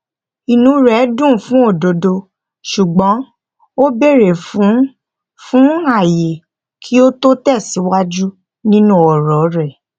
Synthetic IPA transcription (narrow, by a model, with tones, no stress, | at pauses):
i˨nũ˨˦ɾɛ˨˦dũ˦˨fũ˦o˦˨do˨do˧ | ʃu˨ɡ͡bɔ̃˨˦ | o˦be˦˨ɾe˨fũ˨˦ | fũ˦a˦˨je˨ | kʰi˦o˦to˦tɛ˦˨si˨˦wa˦d͡ʒu˦ | nĩ˦nũ˦ɔ˨ɾɔ˨˦ɾɛ˦˨